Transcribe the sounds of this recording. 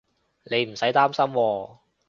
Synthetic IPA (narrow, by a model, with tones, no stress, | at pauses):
ne˨˧jm̩˨˩sɐ˨˥jt̪aː˥msɐ˥mwɔː˧